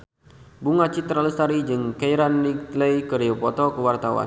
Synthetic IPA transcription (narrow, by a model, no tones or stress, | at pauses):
buŋat͡ʃit̪ɾaləst̪aɾid͡ʒɨŋkejɾanːiləjkəɾiopɔt̪ɔkəwart̪awa̰n